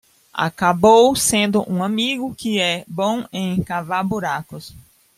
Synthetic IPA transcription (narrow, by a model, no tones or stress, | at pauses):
a̰kabowsẽnd̪ʊʔũamiɡʊkɪɛbõẽj̃kavabuɾakʊs